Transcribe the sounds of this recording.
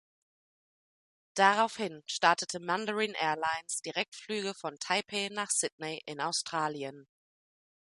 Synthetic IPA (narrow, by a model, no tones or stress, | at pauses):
d̥aʁaʊfhɪnʃtaɐtətʰəmandəʁiːnʔɛːɐlaɪnsd̥iʁɛk̚tflyːɡəfɔntʰaɪpʰeːnaːχsɪdneʔɪnaʊstʁ̥aːliən